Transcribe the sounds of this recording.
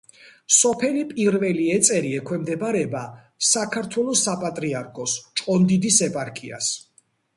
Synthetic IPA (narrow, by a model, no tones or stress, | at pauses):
sɔpʰɛlipʼiɾvɛliɛt̪sʼɛɾiɛkʰwɛmd̪ɛbaɾɛba | sakʰaɾt̪ʰwɛlˠɔsapʼat̪ʼɾiaɾkʰɔst͡ʃʼqʼɔnd̪id̪isɛpʼaɾkʰia̰s